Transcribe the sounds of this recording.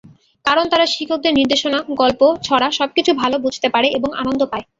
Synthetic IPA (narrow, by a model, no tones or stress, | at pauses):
kaɾont̪aɾaʃikʰːok̚d̪eɾniɾd̪eʃonaɡɔlpot͡ɕʰɔɾaʃɔb̚kit͡ɕʰubʱalobʱud͡ʑʱt̪epaɾeeboŋa̰nond̪ʱopae